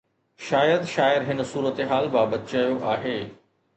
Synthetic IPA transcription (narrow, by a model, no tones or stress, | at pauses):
ʃaːjəd̪ʃaːɪɾɦɪnə̆suːɾət̪eɦaːlbaːbət̪t͡ɕajoʔaːɦeː